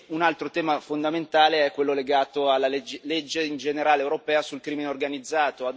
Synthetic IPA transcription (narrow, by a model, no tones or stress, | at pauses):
unalt̪ɾot̪ɛːmafond̪ament̪aːleɛkːwelːoleɡaːt̪oalːaled͡ʒled͡ʒːeind͡ʒeneɾaːlewɾopɛːasulkɾiːmineorɡanid̪zːaːt̪oad̪